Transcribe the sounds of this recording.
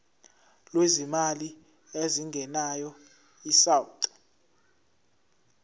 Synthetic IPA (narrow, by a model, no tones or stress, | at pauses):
lwezimali | eziŋɡʱɛnajɔ | isawutʼɔ̥